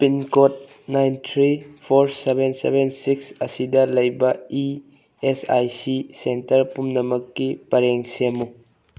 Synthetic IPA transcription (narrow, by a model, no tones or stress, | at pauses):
pinkot̚ | najntʰɾipʰoɾsebʱensḛbensiksɐsidɐlɐjbɐi | esa̰jsisentɐɾpumnɐmɐkːipɐɾeŋsemu